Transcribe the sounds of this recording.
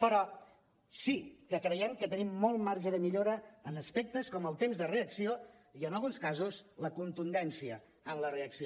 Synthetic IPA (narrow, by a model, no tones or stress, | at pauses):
pəɾɔ | sikəkɾəjɛmkət̪ənimːɔlˠmaɾʒəðəmiʎoɾəːnəspek̚t̪əskɔməlˠt̪emzðəreəksio | iənəlˠɣunskazuzləkunt̪und̪ɛnsiəː | nləreəksio